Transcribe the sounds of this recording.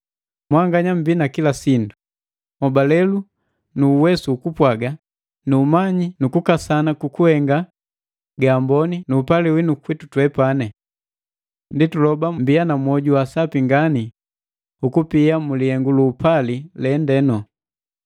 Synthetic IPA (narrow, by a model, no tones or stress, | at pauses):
mwaŋɡaɲam̩biːnakilasindu | mɔbalɛlu | nuːwɛsuːkupwaɡa | nuːmaɲinukukasanakukuhɛŋɡa | ɡaːmbɔninuːpaliwinukwitutwɛpanɛ | nditulɔbambianamwɔɟuwasapiŋɡani | ukupiamuliɛŋɡuluːpalilɛndɛnɔ